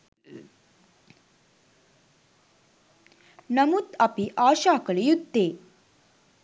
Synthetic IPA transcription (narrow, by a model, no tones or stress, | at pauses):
nəmut̪apiʔaɕakəɭijud̪ʱːe